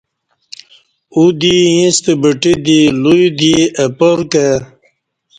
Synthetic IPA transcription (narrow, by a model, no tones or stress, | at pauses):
ud̪iĩst̪ebəʈid̪ilujd̪iəpəɾke